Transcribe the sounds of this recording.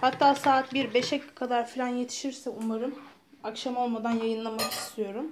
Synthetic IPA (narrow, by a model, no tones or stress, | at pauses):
hat̪ʰːaːsaːɯt̪̚biɾbe̞ʃɛkʰad̪aɾfilʲanje̞t̪ʰi̥ʃiɾsɛumaɾɯm | akʃamo̞lˠmad̪anjajɯnlˠamaki̥st̪ʰijo̞ɾum